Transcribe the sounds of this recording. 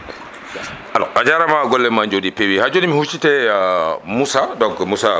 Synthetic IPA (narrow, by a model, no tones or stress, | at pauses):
ʔalɔ̰ʔad͡ʒaɾamaɡɔlːɛmaɲd͡ʒodipewihad͡ʒonimihut͡ʃitɛ | musadɔɡmusa